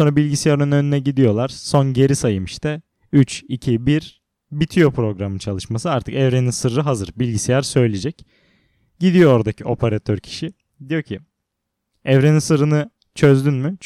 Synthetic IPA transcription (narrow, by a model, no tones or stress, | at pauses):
onɾabilʲɟisijaɾnønø̞nynɛɟid̪ijo̞lˠaɾ̥so̞nɟe̞ɾisajɯmɯʃt̪ʰɛ | yt͡ʃicʰibiɾ | bit̪ʰijo̞pɾo̞ɡɾamɯnt͡ʃʰalˠɯʃmasɯaɾt̪ʰɯkɛvɾe̞ninsɯɾːɯɦazɯɾbilʲɟisijaɾsø̞jlʲid͡ʒɛc | ɟ̥id̪ijo̞oɾad̪acʰiʔo̞pʰaɾat̪ʰøɾcʰi̥ʃi | d̪ijo̞cʰi | ɛvɾe̞ninsɯɾɯnɯ | t͡ʃʰø̞zd̪ynmy